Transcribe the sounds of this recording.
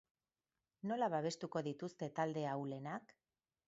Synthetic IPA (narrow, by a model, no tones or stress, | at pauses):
no̞laβaβ̞e̞st̪uko̞ðit̪ust̪e̞t̪ald̪e̞awle̞nak